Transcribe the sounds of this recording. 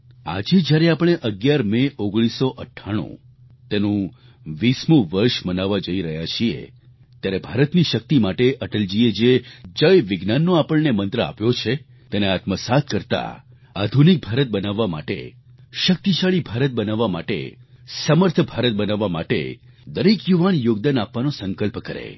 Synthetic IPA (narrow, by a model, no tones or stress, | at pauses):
a̰d͡ʒed͡ʒjaɾeapəɽ̃eʔəɡjaɾmeʔoɡɽ̃isoʔəʈʰːaɽ̃ṵ̃ | t̪enũ | ʋismũʋəɾʃmənaʋːad͡ʒəiɾəɦjat͡ʃʰiḛ | t̪jaɾebʱaɾət̪niʃək̚t̪imaʈeʔəʈəld͡ʒied͡ʒed͡ʒəjʋɪɡnanːoapəɭnemənt̪ɾəa̰pjot͡ʃʰe | t̪eneat̪məsat̪̚ʰkəɾt̪a̰ | ad̪ʱunik̚bʱaɾət̪̚bənaʋːama̰ʈḛ | ʃək̚t̪iʃaɭibʱaɾət̪̚bənaʋːamaʈḛsəməɾt̪ʰəbʱaɾət̪̚bənaʋːama̰ʈḛ | d̪əɾekjuʋanjoɡ̚d̪anapʋanosəŋkəlpkəɾḛ